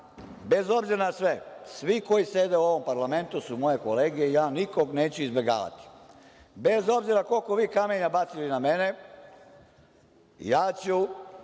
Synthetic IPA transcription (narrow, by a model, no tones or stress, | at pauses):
be̞zo̞bziɾnasʋesʋiko̞jise̞d̪e̞uo̞ʋo̞mpaɾlame̞nt̪usumo̞je̞ko̞le̞ːɡijeijaːniko̞ɡneːt͡ɕuizbe̞ɡa̰ːʋa̰t̪i̥ | bezo̞bziɾako̞lko̞ʋiːkameɲabat̪siliname̞ne̞ | jaːt͡ɕu